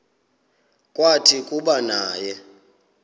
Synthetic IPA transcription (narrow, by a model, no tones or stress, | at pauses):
kʼwatʰikʼuɓanaːjɛ